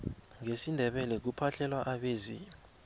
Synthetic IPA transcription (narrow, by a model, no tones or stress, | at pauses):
ŋesindʱɛɓɛlɛk̬upʰaɬʰɛlwaʔaɓeːzḭ